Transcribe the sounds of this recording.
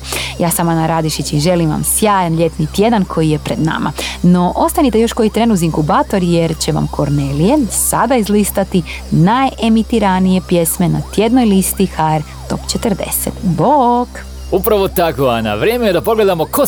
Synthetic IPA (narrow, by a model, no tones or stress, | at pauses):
jaːsamanaɾad̪iʃit͡ɕiʒe̞liʋa̰msjaːjanʎe̞t̪nit̪je̞d̪ankʰo̞jije̞pɾe̞d̪na̰ma̰no̞ʔo̞st̪anit̪e̞jo̞ʃko̞jit̪ɾeːnuziŋkubaːt̪o̞ɾje̞ɾt͡ɕe̞ʋa̰mkʰo̞ɾnelije̞sad̪aizlist̪at̪i | naje̞mit̪iɾanije̞pje̞sme̞na̰t̪je̞d̪no̞jlist̪ixaeɾ | t̪o̞̰pt͡ɕet̪əɾd̪e̞̰sḛt̪bok | upɾaʋot̪akoana̰ʋɾjemejed̪apoɡle̞d̪amoko